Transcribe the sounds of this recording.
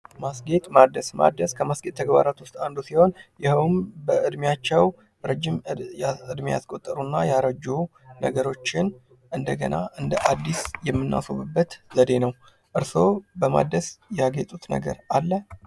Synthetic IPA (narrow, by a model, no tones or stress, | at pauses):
masɡe̞t̪ʼmad̪əsma̰d̪əskʰəmasɡe̞t̪ʰːəɡbaɾat̪wʊst̪ʼand̪usiho̞njɪhwmbəʔɨd̪mjat͡ʃːɛw | ɾəd͡ʒːimaɨd̪mija̰skʼot̪ʼːəɾunːajaɾəd͡ʒːunəɡəɾo̞t͡ʃːɪn | ʔɨnd̪əɡənaʔɨnd̪əʔad̪ːisjɛmːɨnːa̰soβɨbːət̪zəd̪e̞nəw | ʔɨɾso̞bəma̰d̪əsjɛaɡet̪ʼut̪nə̰ɡə̰ɾalːə